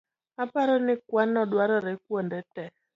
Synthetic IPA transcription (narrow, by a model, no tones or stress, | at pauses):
apaɾɔnɪkwanːɔdwaɾɔɾɛk̚wondɛtɛ